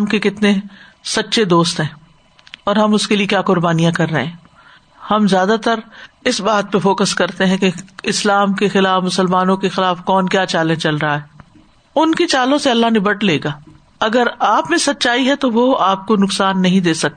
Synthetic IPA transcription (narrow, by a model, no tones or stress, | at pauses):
mkekɪt̪nesɐtːʃed̪oːst̪ɦɛ̃ː | ɔːɾɦɐmʊskeliekjaːkʊɾbaːnijãkɐɾːɐɦẽː | hɐmzjaːd̪at̪ɐɾ | ɪsbaːt̪̚peɾfɔːkəskɐɾt̪eɦɛ̃keɪslaːmkexɪlaːfmʊsəlmaːnõkexɪlaːfkɔːnkjaːt͡ʃaːlẽt͡ʃɐlɾɐɦaɦɛː | ʊnkit͡ʃaːlõseɐlːaɦnɪbəʈleːɡaː | ɐɡəɾaːpmẽsɐt̪ːʃaːiɦɛt̪oʋoaːp̚konʊksaːnːɐɦĩd̪eːsɐk̚t̪e